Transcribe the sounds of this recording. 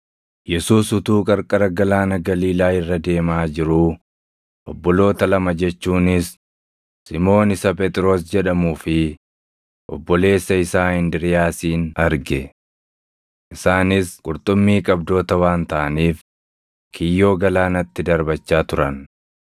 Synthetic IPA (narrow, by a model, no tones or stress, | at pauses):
jɛsuːsʊt̪uːkʼɐɾkʼɐɾɐɡɐlaːnɐɡɐliːlaːɪrːɐd̪e̞ːmaːd͡ʒɪɾu | ʔɔbːɔlo̞ːt̪ɐlɐmɐd͡ʒɛt͡ʃːuːnɪsː | ɪmo̞ːnɪsɐpɛt̪ʼɪɾo̞ːsd͡ʒɛᶑɐmuːfɪ | ʔɔ̰bːɔle̞ːsːɐɪsaːɪnd̪ɪɾɪjaːsiːnɐɾɡɛ | ʔɪsaːnɪskʼʊɾt̪ʼʊmːiːkʼɐbd̪o̞ːt̪ɐwaːnt̪ɐʔɐniːf | kʰɪjːo̞ːɡɐlaːnɐt̪ːɪd̪ɐɾbɐt͡ʃːaːt̪ʊɾɐn